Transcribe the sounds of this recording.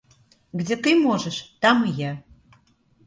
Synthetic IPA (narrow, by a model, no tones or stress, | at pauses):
ɡd͡zʲet̪ɨmoʒəʃt̪amɨja